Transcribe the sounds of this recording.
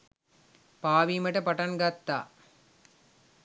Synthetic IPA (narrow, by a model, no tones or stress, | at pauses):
paːʋimɐʈɐpɐʈɐnɡɐt̪ːa̰ː